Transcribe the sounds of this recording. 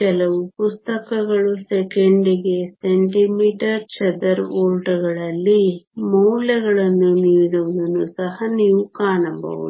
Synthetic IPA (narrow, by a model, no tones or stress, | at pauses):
kɛlɐʋupust̪ɐkɐɡɐɭusekeɳɖiɡe̞seɳʈimiːʈɐɾt͡ʃɐd̪ɐɾoːɭʈuɡɐɭɐlːimɐwlɐɡɐɭɐnːuniːɽuʋd̪ɐnusɐɦɐniːʋukaːnɐmbɐ̰ʋṵu